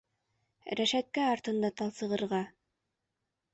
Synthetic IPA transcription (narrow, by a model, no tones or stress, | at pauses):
ɾæʃæt̪̚kæɑɾt̪ɤ̆nd̪ɑt̪ɑlˠsɤ̆ʁɤ̆ɾʁɑ